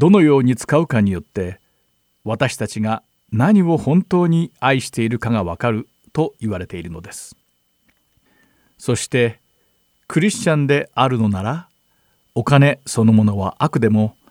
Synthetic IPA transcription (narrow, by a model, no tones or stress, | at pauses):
d̪̥o̞no̞jo̞ːɲ̟it͡sɨ̥kaɯ̟kaɲ̟ijo̞t̪ːe̞ | βat̪aɕi̥t̪at͡ɕiɡa | naɲ̟io̞hõ̞nt̪o̞ːɲ̟iaiɕi̥t̪e̞iɾɯ̟kaɡaβ̞akaɾɯ̟ | t̪o̞iβaɾe̞t̪e̞iɾɯ̟no̞d̪e̞sɨ̥ | so̞ɕi̥t̪e̞ | kʰɯ̟ɾʲiɕt͡ɕãnd̪e̞aɾɯ̟no̞naɾa | o̞kane̞so̞no̞mo̞no̞βaʔakɯ̟d̪e̞mo̞